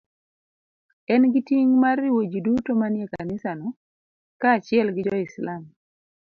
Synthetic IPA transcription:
ɛnɡitiŋmarːɪwod͡ʒidutomanjekanɪsanɔ | kaːt͡ʃɪɛlɡɪd͡ʒɔɪslam

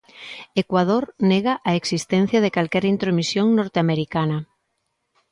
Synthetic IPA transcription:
ekwað̞oɾneɣaʔaeksist̪ɛn̟θjɐðekalkɛɾint̪ɾomisjoŋnoɾt̪eameɾikanɐ

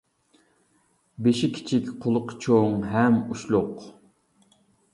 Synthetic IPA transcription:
beʃikʲʰi̥t͡ʃʰikʲqʰolˠʊqt͡ʃʰoŋɦɛmuʃlˠʊq

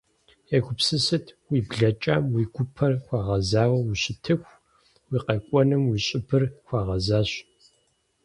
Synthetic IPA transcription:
jɛɡʷʊpsɨsɨtʰwiːbɮɐt͡ʃʼaːmwiɡʷʊpʰɐrxʷɑːʁɐzaːwɐwuɕɪtʰɨxʷ | wiːqɐkʷʼɔnɨmwiːɕʼɪbʰɨrxʷɑːʁɐzaːɕ

